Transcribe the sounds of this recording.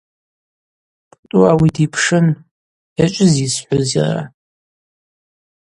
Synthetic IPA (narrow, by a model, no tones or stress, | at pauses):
tʼuawidipʰʂɨn | jat͡ʃʷʼɪzisħʷʊzḭra̰